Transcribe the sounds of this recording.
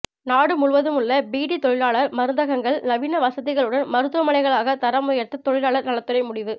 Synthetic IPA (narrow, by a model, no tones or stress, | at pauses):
naːɽɯmʊɭʋɐðɯmʊɭːɐbiːɽit̪ɔɻɪlaːɭɐɾmɐɾɯnd̪ɐɣɐŋɡɐɭnɐʋiːnɐʋɐsɐðɪɣɐɭɯɽɐnmɐɾɯt̪ːɯʋɐmɐɭɐɪɣɐɭaːɣɐt̪ɐɾɐmʊjɐɾt̪ːɯt̪ːɔɻɪlaːɭɐɾnɐɭɐt̪ːɯɾɐɪmʊɽɪʋɯ